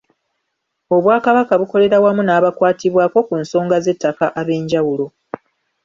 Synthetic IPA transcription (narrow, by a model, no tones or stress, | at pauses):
o̞βwaːkaβakaβuko̞le̞ɾawamunaːβakwaːtiβwaːko̞kunso̞ːŋɡaze̞tːakaʔaβe̞ːɲɟawulo̞